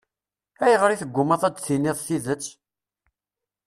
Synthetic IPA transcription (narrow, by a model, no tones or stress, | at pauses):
æjəʁɾiθəɡʷːʊmɑðˤæd̪θinːiðˤθiðət͡sː